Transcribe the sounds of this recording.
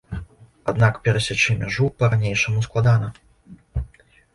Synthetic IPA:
ad̪nakpʲɛɾɐsʲat͡ʂɨmʲaʐupɐɾanʲejʂɐmusklˠad̪anɐ

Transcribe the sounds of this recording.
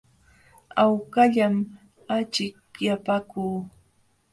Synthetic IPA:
awkaʎam | at͡ʃɪk̚japakuː

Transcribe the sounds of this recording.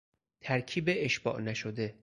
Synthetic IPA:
t̪ʰæɾkʰiːbeʔːʃb̥ɒ̰ːʔnæʃod̪e̞

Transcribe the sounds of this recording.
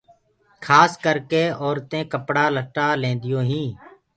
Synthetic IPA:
kʰaːskəɾkeːɔːɾt̪ẽːkəpɽaːləʈaːlẽːnd̪ɪjõːɦĩː

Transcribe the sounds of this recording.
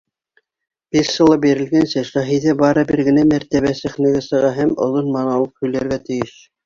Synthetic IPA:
biʃʃɤ̆lˠɑp̚biɾɘ̆lɡænsɘʃæɦiðɘbɑɾɤbɘɾɡɘ̆næmæɾt̪æβæsɘ̆χnæ̆ɡæsɤ̆ʁɑɦæmŏ̰ðonmɑnɑlˠɤp̚hɵ̆jlæɾɡæt̪ɘ̆jɘʃ

